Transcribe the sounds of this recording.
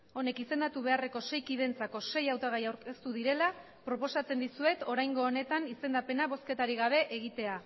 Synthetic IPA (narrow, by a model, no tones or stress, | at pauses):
o̞ne̞kise̞nd̪at̪uβ̞e̞are̞ko̞se̞jkið̞ent͡sako̞se̞jawt̪aɣ̞ajawɾke̞st̪uðiɾe̞la | pɾo̞po̞sat͡se̞nd̪isue̞t̪o̞ɾajŋɡo̞ːne̞t̪anise̞nd̪ape̞naβo̞ske̞t̪aɾiɣaβ̞e̞ʔeɣ̞it̪e̞a